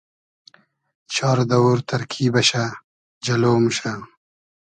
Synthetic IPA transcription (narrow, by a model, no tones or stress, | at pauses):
t͡ɕʰɑːɾd̪ɐwuɾt̪ɐɾkʰiːbɐɕa | d͡ʑɐloːmɕa